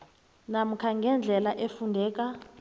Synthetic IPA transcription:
nam̩kʰaŋɡʱɛnd͡ɮʱɛlaʔefundʱɛːk̬ʼa

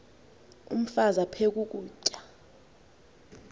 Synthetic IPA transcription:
ṵm̩fazapʰek̬ʼuk̬ʼuːt͡ʃʼḁ

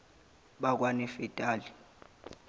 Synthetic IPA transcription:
ɓak̬wanɛfɛtʼaːli

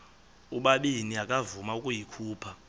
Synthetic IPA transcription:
uɓaɓiniakʼavumaukʼujikʰuːpʰa

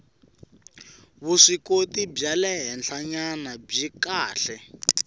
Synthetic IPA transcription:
βuʂikotib͡ʐalɛɦɛnt͡ɬʰaɲanab͡ʐikaːɬɛ

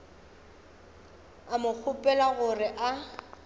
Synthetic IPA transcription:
amʊk͡xʰʊpʼɛlaɣʊrɪʔa

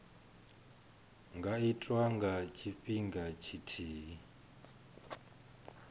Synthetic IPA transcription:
ŋɡaitʼwaŋɡat͡ʃʰiɸiŋɡat͡ʃʰitʰiːɦi

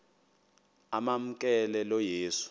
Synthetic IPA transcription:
amam̩k̬ʼɛlɛlɔjeːsu̥

